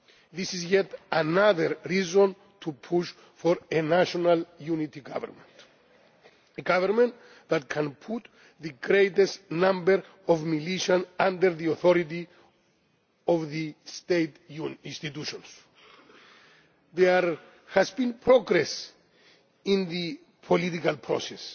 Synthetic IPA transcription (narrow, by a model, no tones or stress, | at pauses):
ðisizjɛtanaðəɾɹizɔ̃n | t̪ʰupʰuʃ | fɔɾenaʃɔnaljunit̪iɡa̰və̰ɾmɛ̰̃nt | eɡavəɾmɛ̃n | ðat̪̚kʰãnpʰut̪ | ðɨɡɾeɪt̪ɛsnãmbəɾ | ɔvmiliʃə̃nãndəɾðiɔθɔɾit̪i | ɔvðist̪et̪junĩnst̪it̪uʃɔ̃ns | ðɛɾ | hæzbĩnpʰɾoɡɾɛs | ĩnðɨ | pʰolit̪ikalpʰɹɔ̰sɛs